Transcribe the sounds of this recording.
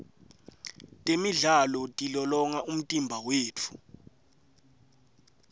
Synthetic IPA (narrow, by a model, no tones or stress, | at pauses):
tʼemiɮalɔtʼilɔlɔŋaum̩tʼimbʱaweːt͡fʰu̥